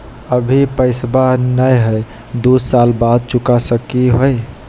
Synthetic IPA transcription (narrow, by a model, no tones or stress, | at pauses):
əbʱipəɪsbanəjɦəj | d̪usalbad̪̚t͡ʃukasəkiɦoj